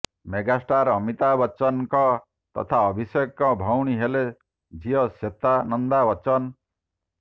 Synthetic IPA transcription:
meɡasʈaɾɔmit̪abɔt͡ʃɔnkɔ | t̪ɔ̰t̪ʰaɔbʱisekːɔbʱɔwɽ̃iɦele | d͡ʒiɔset̪anɔnd̪abɔt͡ʃɔn

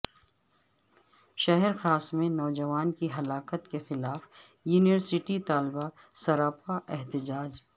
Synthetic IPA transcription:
ʃɐɦəɾxaːsmẽnɔːd͡ʒɐʋaːnkiɦɐlaːkət̪kexɪlaːf | juːnɪʋəɾsɪʈit̪aːlba | sɐɾaːpaʔɛɦt̪ɪd͡ʒaːd͡ʒ

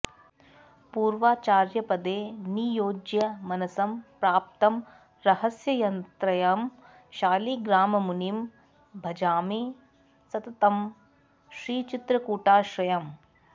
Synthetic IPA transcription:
puːɾʋaːt͡ʃaːɾjɐpɐd̪eːnijoːd͡ʒjɐmɐnɐsɐmpɾaːp̚t̪ɐm | ɾɐhɐsjɐjɐnt̪ɾɐjam | ʃaːliɡɾaːmɐmunim | bʱɐd͡ʒaːmi | sɐt̪ɐt̪ɐm | ʃɾiːt͡ʃit̪ɾɐkuːʈaːʃɾɐjɐm

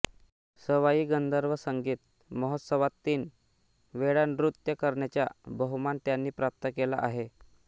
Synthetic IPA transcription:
səʋajiːɡənd̪əɾʋəsəŋɡiːt̪̚ | məɦət̪səʋat̪ːiːn | ʋeɽanɾut̪jəkəɾɳjat͡ɕja̰bəɦumant̪janːiːpɾap̚t̪əkela̰ʔaɦe

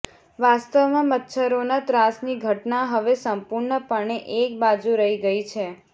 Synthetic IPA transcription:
ʋast̪əʋmãmət̪ːʃʰəɾonat̪ɾasniɡʱəʈnaɦəʋesəmpuɾɳəpəɳ̃eʔek̚bad͡ʒuɾəɦiɡəit͡ʃʰe

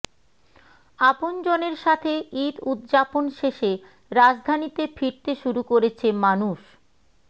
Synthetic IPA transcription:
apond͡ʑoneɾʃat̪ʰeit̪ud̪d͡ʑaponʃeʃe | ɾad͡ʑd̪ʱanit̪efʰiɾt̪eʃuɾukoɾet͡ɕʰemanuʃ

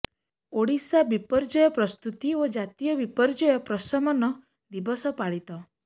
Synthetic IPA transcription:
oɽisabipɔɾd͡ʒɔjɔpɾɔst̪ut̪iod͡ʒat̪ijɔbipɔɾd͡ʒɔjɔpɾɔsɔmɔnɔ | d̪ibɔsɔpaɭit̪ɔ

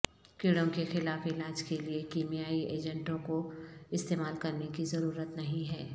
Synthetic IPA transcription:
kɪɽõkexɪlaːfɪlaːd͡ʒkeliekiːmijaːiʔeːd͡ʒə̃ɳʈõkoɪst̪eːmaːlkɐɾnekizɐɾuːɾət̪nɐɦĩɦɛː

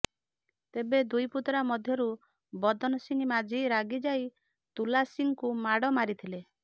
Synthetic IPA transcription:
t̪ebed̪ujput̪ɾamɔd̪ʱjɔɾu | bɔd̪ɔnɔsiŋimad͡ʒʱiɾaɡid͡ʒaj | t̪ulasiŋkumaɽɔmaɾit̪ʰile

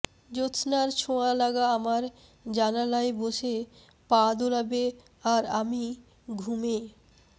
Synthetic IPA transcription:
d͡ʑosnaɾt͡ɕʰoalaɡaamaɾ | d͡ʑanalaeboʃe | pad̪olabe | aɾami | ɡʱume

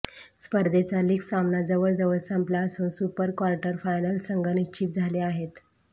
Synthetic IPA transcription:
spəɾd̪ʱet͡saliːksamnad͡zəʋəɭd͡zəʋəɭsəmplasusupəɾkʋaɾʈəɾfajnəlsəŋɡʱəniɕt͡ɕit̪̚d͡zʱaleaɦet̪

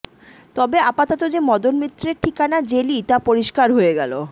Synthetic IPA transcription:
t̪ɔbeapat̪ot̪od͡ʑemɔd̪onmit̪ːɾeɾʈʰikanad͡ʑelit̪apoɾiʃkaɾɦoeɡɛ̰lo

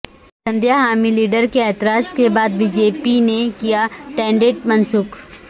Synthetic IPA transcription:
sə̃nd̪jaɦaːmiliːɖəɾkeɛːt̪ɪɾaːskebaːd̪̚biːd͡ʒeːpinekijaʈɛ̃ːɳɖeʈ̚mɐnsuːk

